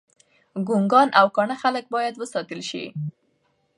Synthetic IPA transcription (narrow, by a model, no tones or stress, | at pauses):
ɡuŋɡɑnʔawkɑɳəxalək̚bɑjad̪wəsɑt̪əlʃḭ